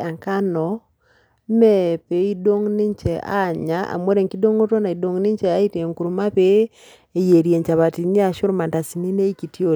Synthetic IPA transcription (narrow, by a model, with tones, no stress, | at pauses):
e˨ŋka˦nɔ˨˦ | me˦pe˨i˦do˦ŋni˦ɲt͡ʃɛ˨a̰˦ɲa˦ʔa̰˨mwo˦ɾe˨ŋki˦do˦ŋo˦to˦na˨i˨do˨ŋni˦ɲt͡ʃɛ˨a˦i˦te˨ŋku˨ɾu˨ma˦βe˦ | e˨je˨ɾje˨ɲt͡ʃa˨βa˨ti˨ɲi˦a˨ʃo˦ɾma˨nta˨si˨ni˦ne˦i˦ki˨ti˦o˨ɾ